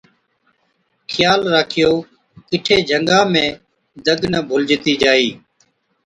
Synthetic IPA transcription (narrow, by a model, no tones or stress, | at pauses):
xʰɪjaːlɾaːkʰɪjoː | kɪʈʰeːd͡ʒʱəŋɡãːmẽː | d̪əɡnəbʱʊld͡ʒɪt̪iːd͡ʒaːiː